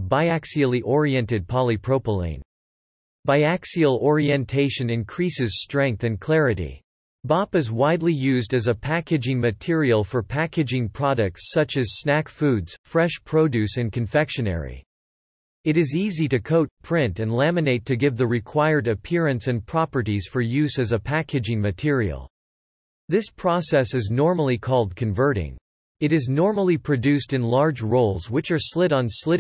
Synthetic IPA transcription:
baɪæksil̩ˠiʔɔɹiɛ̃ntɨd̚pʰɑlˠipʰɹ̥oʊpəlˠḭ̃ɪ̃n | baɪæksil̩ˠɔɹiɨ̃ntʰeɪʃɨ̃nɨ̃nkʰɹ̥isɨz̥stɹ̥ɛ̃ŋk̚θɨ̃nkʰl̥ɛɹɨɾḭ | bɑpɨzwaɪdˡlijʉzdɨzəpʰækɨd͡ʒɪ̃ŋmɨtʰɪɹil̩ˠfə˞pʰækɨd͡ʒɪ̃ŋpʰɹ̥ɑɾɨk̚tssʌt͡ʃɨz̥snækfʉdz̥fɹɛʃpʰɹ̥oʊdʉsɨ̃nkʰɨ̃ɱfɛkʃɨnɛ̰ɹḭ | ɨɾɨziziɾɨkʰoʊt̚pʰɹ̥ɪ̃ntɨ̃nlæmɨneɪtʰɨɡɪvðɨɹɨkʰw̥aɪə˞ɾɨpʰɪɹɨ̃nsɨ̃npʰɹ̥ɑpə˞ɾiz̥fə˞jʉzɨzɨpʰækɨd͡ʒɪ̃ŋmɨtʰɪɹḭl̩ˠ | ðɪspʰɹ̥ɔsɛsɨznɔɹml̩ˠikʰɔlˠd̚kʰɨ̃ɱvɜ˞ɾɪ̰̃ŋ | ɨɾɨznɔɹml̩ˠipʰɹ̥ɨdʉstɨ̃nlɑɹd͡ʒɹoʊlˠzwɨt͡ʃə˞slɪɾn̩slɪɾ

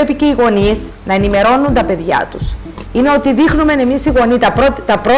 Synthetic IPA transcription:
epice̞iɣo̞niz | nɐe̞nime̞ɾo̞nːunt̪ɐpe̞ðʝɐ̰t̪us | ine̞ot̪iðixnume̞ne̞misiɣo̞nit̪ɐot̪ɐpɾo

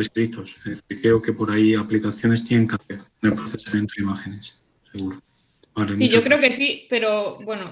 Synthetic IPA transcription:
eskɾit̪o̞sekɾe̞oke̞po̞ɾaiaplikaθjo̞ne̞st̪jeneŋkaθeɾnelpɾoθe̞samje̞nt̪oimaxe̞ne̞s | se̞ɣ̞uɾo | baleiʝokɾe̞okesipe̞ɾo̞bwe̞no

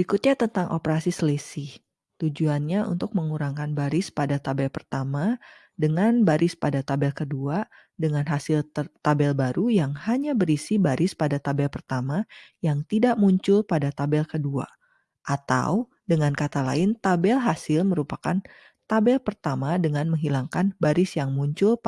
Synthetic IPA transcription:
ikut̪̚ɲat̪ənt̪aŋʔo̰pəɾasisəlesi | t̪ud͡ʒuanɲaʔṵnt̪ʊk̚məŋuɾaŋkanbaɾɪspadat̪abɛlpərt̪ama | dəŋanbaɾʔɪspadat̪abɛlkədua | dəŋanɦasɪlt̪abɛlbaɾujaŋhaɲabəɾisibaɾɪspadat̪abɛlpərt̪amajaŋt̪idaʔmuɲt͡ʃʊlpadat̪abɛlkədua̰ | ʔat̪a̰w | dəŋankat̪ala̰ɪnt̪abɛlɦasɪlməɾupakan | t̪abɛlpərt̪amadəŋanməŋɦilaŋkanbaɾɪsjaŋmuɲt͡ʃʊl

